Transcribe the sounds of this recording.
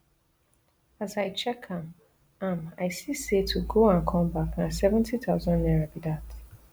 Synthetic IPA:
azaɪt͡ʃɛkʰãm | ãmaɪsisetʰuɡoãnkʰɔ̃mbaknasɛvɛ̃ntʰiθaʊzɔ̃nnɛɹabidat

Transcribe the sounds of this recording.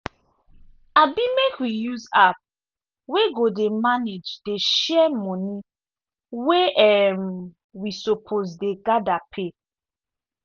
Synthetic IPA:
abimekwijuzap̚ | weɡodemaned͡ʒdeʃɛmɔ̃ni | weɛm | wisopʰozdeɡadapʰe

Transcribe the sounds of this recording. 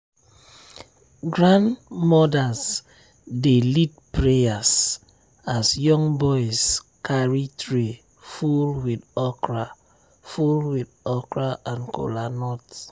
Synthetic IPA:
ɡɹãndmɔdas | delit̚pɹeas | asjɔ̃ŋbɔjskʰaɹitʰɹi | fulwidɔkɹa | fulwidɔkɹaʔãnkʰo̰lanɔt

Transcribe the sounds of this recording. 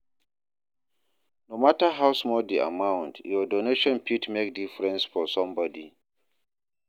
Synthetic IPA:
nomatəɦawsmɔldia̰mãw̃ntjɔdoneʃɔ̃npʰitmekdifɹɛ̃nsfɔsɔ̃mbɔdi

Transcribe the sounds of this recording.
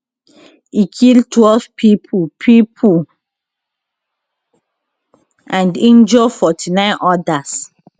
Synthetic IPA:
ikʰiltwɛlvpʰipʰupʰipʰu | ãndĩnd͡ʒɔfɔtʰinãɪ̃nʔɔdas

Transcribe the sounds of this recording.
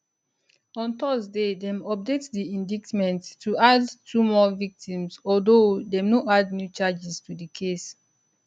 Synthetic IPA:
ɔ̃ntɔzdedɛ̃mɔp̚detdiĩndiktmɛ̃ntːʰuadtʰumɔvik̚tĩmsɔldodɛ̃mnoadnjut͡ʃad͡ʒistudikʰes

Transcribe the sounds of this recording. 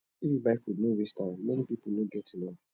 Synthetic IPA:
ibafudnowistãmɛ̃nipiponoɡɛtinõ

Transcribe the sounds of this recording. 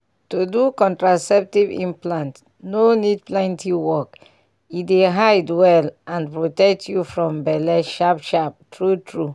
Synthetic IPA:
tudukɔ̃ntɹasɛp̚tivḭ̃mplãnt | nonid̚plɛ̃ntiwɔk | ideɦaɪdwɛlãnpɹotɛk̚tʰjufɹɔ̃mbɛlɛʃapʃap̚tʰɹutʰɹu

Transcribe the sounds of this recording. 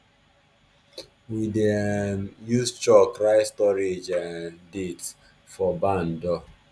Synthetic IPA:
widɛmjust͡ʃɔkɹaɪstɔɹed͡ʒadets | fɔbãndɔ

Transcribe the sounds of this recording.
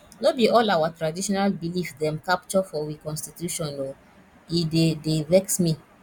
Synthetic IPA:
nobiɔlawatɾadiʃɔnalbilifdɛ̃mkap̚t͡ʃɔfɔwikɔ̃nstitjuʃɔ̃nɔ | idedevɛksmi

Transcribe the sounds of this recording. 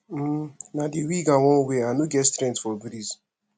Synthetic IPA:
m̩nadiwiɡaŋɔ̃weanuɡɛtstɾɛ̃ntfɔbiɾis

